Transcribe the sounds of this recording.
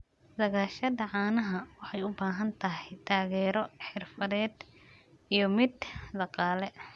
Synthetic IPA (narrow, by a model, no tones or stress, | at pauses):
d̪ɐɣaːʃɐðɐʕɑːnɐɦɐwɑħɑjʊbaːɦɐnt̪ʰɐɦɛjt̪ʰaːɣɛːɾɔħɪrfɐðɛːd̪ | ijɔmɪd̪d̪ɑqɑːlɛ